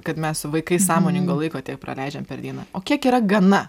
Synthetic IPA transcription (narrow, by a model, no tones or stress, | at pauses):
kɐt̪mʲɛssʊʋɐɪkɐɪsɑːmoːnʲɪŋɡoːlˠɐɪkoːtʲiɛk̚pɾɐ̰lʲɛɪd͡ʒʲɛmpʲɛɾd̪ʲiɛnɐoːkʲiɛkiːɾɐɡɐnɐ